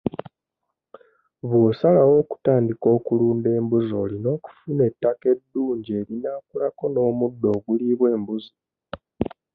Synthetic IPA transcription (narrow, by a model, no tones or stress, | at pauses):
βwoːsalawo̞ːku̥taːndiko̞ːkuluːnde̞ːmbuzo̞ːlino̞ːku̥fune̞tːake̞dːuːɲɟe̞ːɾinakulako̞no̞ːmudːo̞ːɡuliβwe̞ːmbuzo